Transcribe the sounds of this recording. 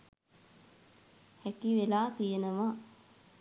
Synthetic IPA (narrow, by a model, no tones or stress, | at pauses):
hækiʋelaːt̪ijenəʋa